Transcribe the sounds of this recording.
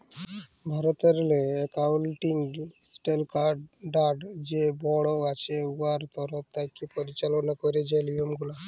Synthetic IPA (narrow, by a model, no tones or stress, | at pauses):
bʱaɾɔt̪ɔɾleːkawlʈiŋɡsʈelkaɾɖɖaɾɖd͡ʒebɔɽɔat͡ʃeuʋaɾt̪ɔɾɔp̚t̪akipɔɾit͡ʃalɔnakɔɾed͡ʒelijɔmɡula